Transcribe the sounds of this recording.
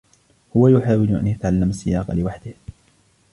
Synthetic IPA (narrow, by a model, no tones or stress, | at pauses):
hʊwajʊħaːwɪlʔa̰njat̪aʕalːamasːɪjaːqɑ̰lɪwaħd̪ɪh